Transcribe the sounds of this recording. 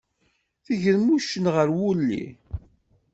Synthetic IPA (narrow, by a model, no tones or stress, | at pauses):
θiʝəðmuʃənʁəɾwulːḭ